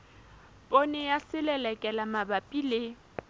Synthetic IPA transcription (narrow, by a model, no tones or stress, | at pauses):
pʼonɛjasɪlɛlɛkʼɛlamabapʼilɪ